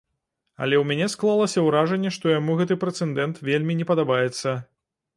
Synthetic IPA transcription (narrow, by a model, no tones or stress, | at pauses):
ɐ̰lʲɛwmʲanʲɛsklˠalˠɐsʲɐwɾaʐɛnʲːɛʂt̪ɔjamuɣɛt̪ɨpɾɛt̪sɛnd̪ɛnt̪vʲelʲmʲinʲɛpɐd̪abajɛt̪sːɐ